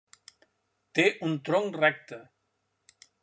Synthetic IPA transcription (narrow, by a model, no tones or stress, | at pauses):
t̪eʔunt̪ɾoŋrɛk̚t̪ə